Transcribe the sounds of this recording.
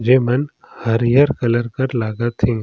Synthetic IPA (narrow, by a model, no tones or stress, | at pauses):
d͡ʒeːmɐn | hɐɾjəɾkɐləɾkəɾlaːɡət̪ʰɪ̃ŋ